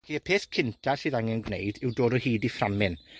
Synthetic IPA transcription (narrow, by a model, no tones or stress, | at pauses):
iːəpʰeːθkʰɪntʰarsɨːðaŋɛnɡnḛjdɪwdoːdɔhiːdiframɪn